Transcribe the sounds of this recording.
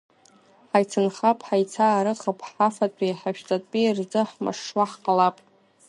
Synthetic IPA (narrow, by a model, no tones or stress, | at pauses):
ħajt͡sʰɨnχapʼħajt͡sʰaːɾɨχəpʰʼħafatʷʼiħaʃᶣt͡sʼatʼpʼird͡zɨħma̰ʂːwaħqʼalapʼ